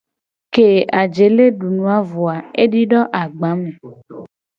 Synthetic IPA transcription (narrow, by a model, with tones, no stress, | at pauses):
ke˨a˨d͡ʒe˨˦le˦ɖu˨nũ˨˦a˦vo˨a˨e˦ɖi˦ɖɔ˦ʔa˨ɡ͡ba˨˦me˨